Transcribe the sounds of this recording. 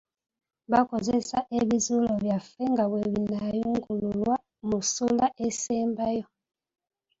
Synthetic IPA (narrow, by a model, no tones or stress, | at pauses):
βako̞zesaʔeβizuloβjafeŋɡaβweβinajuŋɡululwa | musulaʔeseːmbajo